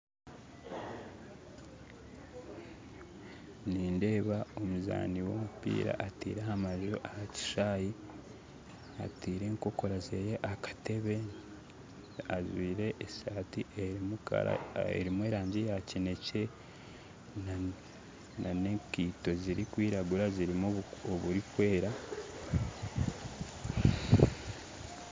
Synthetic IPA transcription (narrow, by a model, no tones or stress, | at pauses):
niːnde̞ːβao̞muza̰ːniwo̞̰mupḭːɾa̰ʔatḭːɾehamaʒoʔahaci̥ʃaːji | a̰tiːɾe̞ŋko̞koɾazeːjeʔakḁte̞βe̞ | azwiːɾe̞ʔːsaːtiʔeɾimuka̰ɾa̰ḛɾimwe̞ːɾaːɲɟejacine̞ce̞ | na | anekiːto̞ziɾikwiːɾaɡuɾaziɾimooβuɾikwe̞ːɾa